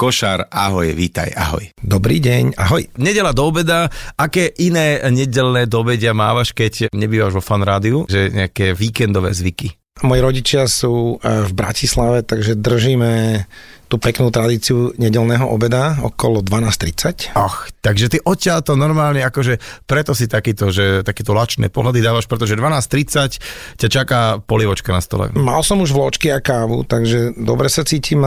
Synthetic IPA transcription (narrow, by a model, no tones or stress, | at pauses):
kɔʃaɾaɦɔjɛʋiːt̪a̰ja̰ɦɔ̰jd̪ɔbɾḭːɟɛɲa̰ɦɔjɲɛɟɛlad̪ɔːbɛd̪aakɛːʔinɛːɲɛɟɛlnɛːd̪ɔɔbɛɟɪamaːʋaʃkɛɟɲɛbiːʋaʒʋɔfanɾaːd̪iuʒɛɲɛ̰akɛːʋiːkɛnd̪ɔʋɛ̰ːzʋiki | mɔjiɾɔɟit͡ʃɪasuːvbɾa̰cislaʋɛt̪aɡʒɛd̪r̩ʒiːmɛ | t̪uːpɛknuːt̪ɾad̪iːt͡siuɲɛɟɛlnɛːɦɔʔɔ̰bɛd̪aɔ̰kɔlɔd̪ʋanaːst̪ɾit͡sacɔxt̪aɡʒɛt̪iʔɔcːɪalt̪ɔnɔɾmaːlɲɛakɔʒɛpɾɛt̪ɔsit̪akiːt̪ɔʒɛt̪akɛːt̪ɔlat͡ʃnɛ̰ːpɔɦlad̪id̪aːʋaʃpɾɛt̪ɔʒɛd̪ʋanaːst̪ɾit͡saccat͡ʃakaːpɔliʋɔt͡ʃkanast̪ɔ̰lɛ̰ma̰lsɔmuʒʋlɔt͡ʃkiakaːʋṵt̪aɡʒɛd̪ɔ̰bɾɛsat͡siːcʰiːm